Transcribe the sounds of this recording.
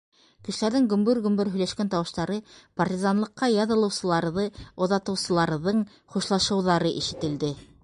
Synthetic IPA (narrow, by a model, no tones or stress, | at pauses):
kɘ̆ʃɘ̆læɾðɘŋɡɵ̆mbɵɾɡɵ̆mbɵɾɦɵ̆læʃkænt̪ɑwɤ̆ʃt̪ɑɾɤpɐrtʲizɑnlˠɤ̆qːɑjɑðɤ̆lˠɤ̆wsɤ̆lˠɑɾðɤŏðɑt̪ɤ̆wsɤ̆lˠɑɾðɤɴ | χuʃlˠɑʃɤ̆wðɑɾɤʔiʃɘ̆t̪ɘ̆ld̪ɘ